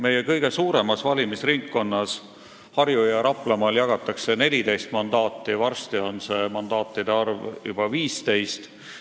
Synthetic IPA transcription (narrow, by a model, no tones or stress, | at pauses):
me̞je̞kɤjɡ̥e̞suːɾe̞mɑsvɑlʲimisriŋkːo̞nːɑs | hɑrjujɑɾɑplɑmɑːljɑɡ̥ɑt̪ːˑɑkse̞ne̞lʲid̪e̞jst̪mɑnd̪̥ɑːt̪ːˑivɑrst̪io̞nse̞mɑnd̪̥ɑːt̪ːˑid̪eɑrvjṵb̥ɑviːst̪e̞jst̪